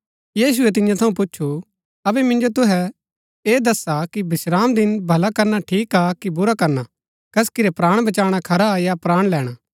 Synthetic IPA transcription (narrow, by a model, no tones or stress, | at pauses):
jiːs̬ʊɛt̪ɪ̃njãt̪ʰɐũpʊt͡ʃːʃʰu | ɐbɛmɪ̃nd͡ʒot̪ʊɦɛ | eːd̪ɐsakibɪsɾaːmd̪ɪnbʱɐlakɐɾnaʈʰiːkaːkibʊɾakɐɾna | kɐskɪɾɛpɾaːɽ̃bɐt͡ʃaːɽ̃akʰɐɾajapɾaːɽ̃lɛːɽ̃aː